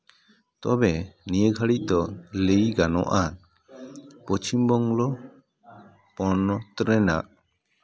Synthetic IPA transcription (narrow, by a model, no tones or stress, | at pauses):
t̪ɔbɛnijəɡʱaɽic̚ˀd̪ɔlejɡanɔ̰ʔa | pɔt͡ʃimbɔŋlɔ | pɔnɔt̪ɾɛna̰ʔ